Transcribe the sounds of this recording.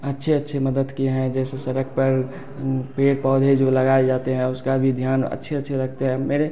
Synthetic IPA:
ətːʃʰeətːʃʰeməd̪əd̪kieɦɛ̃d͡ʒɛːsesəɾək̚ʰpəɾ | peːɾpɔːd̪ʱed͡ʒoləɡaːed͡ʒaːt̪eɦɛ̃ʊskabʱid̪ʱjaːnə̰tːʃʰeətːʃʰeɾəɡ̚t̪eɦɛ̃meːɾe

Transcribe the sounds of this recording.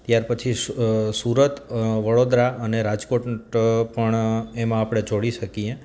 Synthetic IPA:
t̪jaɾpət͡ʃʰisuɾət̪ʋəɽod̪ɾaəneɾad͡ʒkoʈpəɳemãːpɽ̃ed͡ʒoɽiʃəkie

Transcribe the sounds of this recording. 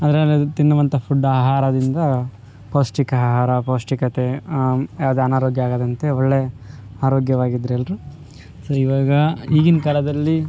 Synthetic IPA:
ɐnd̪ɾet̪inːɐʋɐnt̪ɐpʰuɖːaːɦaːɾɐd̪ind̪ɐ | poːsʈikaɦaːɾɐpoːsʈikɐt̪e̞jaːʋɐd̪eːɐnaːɾoːɡjɐaːɡad̪ɐnt̪e̞ɔɭːe | aːɾoːɡjɐʋaːɡid̪ːɾelːɾu | soːiʋaːɡɐiːɡinkɐlɐd̪ɐlːi

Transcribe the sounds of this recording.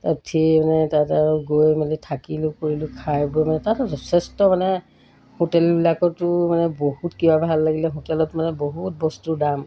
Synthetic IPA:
tatʰiemanɛtataɹʊɡojmalitʰakilʊkoɹilʊkʰajbojmanɛtatzɔtʰɛstɔmanɛ | hotɛlbilakɔtʊmanɛbohutkibabʱalːaɡilɛɦotɛlɔtmanɛboɦut̚bɔstudam

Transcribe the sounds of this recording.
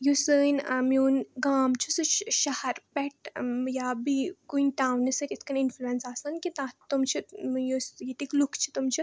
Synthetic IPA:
jusənmiːnɡaːmt͡ʃʰusɨɕɐhɐɾpɛʈjabikunʈawnisəkit̪kəninfluensasankit̪at̪umt͡ɕʰijosjit̪iklukʰt͡ɕʰi̥t̪umt͡ɕʰi

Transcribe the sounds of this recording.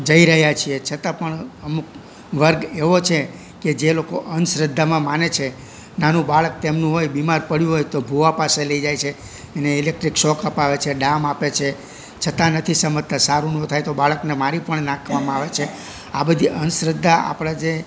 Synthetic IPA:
d͡ʒəiɾəɦjat͡ʃʰiet͡ʃʰət̪ãpəɳəmuk | ʋəɾɡeʋot͡ʃʰe | ked͡ʒelokoʔənsɾəd̪ʱːamãmanet͡ʃʰe | nanũbaɭək̚t̪emnũɦojbimaɾpəɽjũɦojt̪obʱuʋapaseləid͡ʒajt͡ʃʰeː | neilek̚ʈɾikʃɔkəpaʋet͡ʃʰeɖãmapet͡ʃʰe | t͡ʃʰət̪ãnət̪ʰisəmət̪ʰːãsaɾũnõt̪ʰajt̪obaɭəknemaɾipəɳnãkʰʋamãaʋet͡ʃʰe | abəd̪ʱiʔənsɾəd̪ʱːaa̰pɽ̃ad͡ʒe

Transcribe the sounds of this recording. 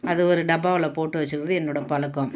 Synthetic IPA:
ɐðɯɔɾɯɖɐbaːʋɐlɐpoːʈːɯʋɐt͡ʃːɯɾɯʋɐðɯɛnːoːɽɐpɐlɐkːɔ̃m

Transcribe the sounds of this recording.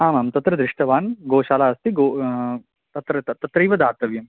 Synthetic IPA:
aːmaːmt̪ɐt̪ɾɐd̪ɾɪʂʈɐʋaːnɡoːʃaːlaːɐst̪ʰiɡoː | t̪ɐt̪ɾɐt̪ɐt̪ɾɐiːʋɐd̪aːɾt̪ɐʋjɐm

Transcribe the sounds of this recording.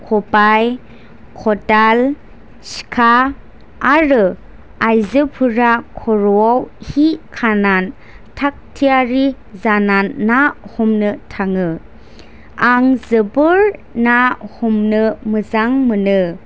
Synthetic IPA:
kʰɔpaj | kʰɔtal | skʰaː | ɾɯ | ajzɯpʰɯɾakʰɔɾuawhikʰanan | tʰak̚tʰijaɾi | zananːahɔmnɯtʰaŋɯ | aŋzɯbɯɾnahɔmnɯməzaŋmɯnɯ

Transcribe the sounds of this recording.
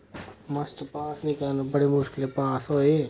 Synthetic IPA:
mɐst͡ʃpaːsnɪkanbɐɽemʊʃkɪlepaːsɦoːeː

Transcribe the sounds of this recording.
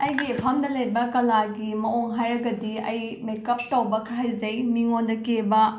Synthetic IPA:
ɐjɡipʰɐmdɐlejɾbɐkɐlaɡimɐoŋɦajɾɐɡɐdiɐjmekɐp̚tɐwbɐkʰɾajzɐjmiŋondɐkebɐ

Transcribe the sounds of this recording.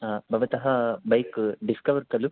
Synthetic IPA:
bʱɐʋɐt̪ɐɦɐbɐjkɖiskɐʋɐɾkɐlu

